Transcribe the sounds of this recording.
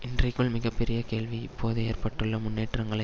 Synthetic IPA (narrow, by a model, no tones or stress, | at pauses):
ɪndrɐɪkːɯɭmɪɣɐpːɛɾɪjɐkeːɭʋiɪpːoːðɯeːrpɐʈːɯɭːɐmʊnːeːʈrɐŋɡɐɭɐ